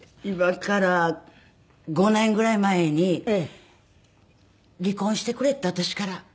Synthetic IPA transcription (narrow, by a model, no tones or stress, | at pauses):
imakaɾa | ɡo̞nẽ̞ŋɡɯ̟ɾaimaeɲ̟i | ɾʲikõɰ̃ɕi̥t̪e̞kɯ̟ɾe̞t̪ːat̪oɕi̥kaɾa